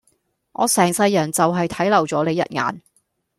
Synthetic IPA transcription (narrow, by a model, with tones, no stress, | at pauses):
ʔɔ̰ː˨˧sɛː˨˩ŋsɐ˧jːɐ˨˩nt͡sɐ˨wɦɐ˨jt̪ʰɐ˨˥jlɐ˨˩wt͡sɔː˨˥le˨˧jɐ̰˨t̚ŋa̰ː˨n